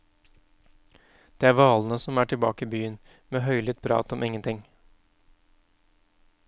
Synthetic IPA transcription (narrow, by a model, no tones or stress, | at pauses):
d̪̥eːæːɾʋɑːlnəsɔmæːʈʰɪlbɑ̰ːkəɪbyːən | meːɦœʏlɪt̪̚pʰɾɑ̰ːt̪ɔmʔɪŋːənt̪ʰɪŋ